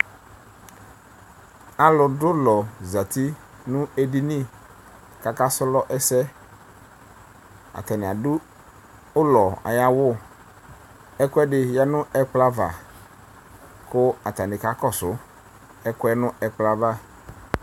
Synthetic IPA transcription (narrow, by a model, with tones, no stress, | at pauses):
a˨lʊ˨dʊ˦lɔ˨za˨t̪i˦ | nʊ̃˦e˨di˦nĩ˦˨ | ka˨ka˦sʊ˦lɔ˦ʔɛ˦sɛ˦ | a̰˨t̪a˨nɪ˨a˨dʊ˦ | ʊ˦lɔ˨a̰˨ja˦wʊ˦˨ | ɛ˦kʊ˦ɛ˦ɖɪ˨ja˦nʊ̃˦ɛ˨k͡pla˦va̰˨ | kʊ˦a˨t̪a˨nɪ˨ka˦kɔ˦sʊ˨ | ɛ˦kʊ˦ɛ˦nʊ̃˦ɛ˨k͡pla˦va˦˨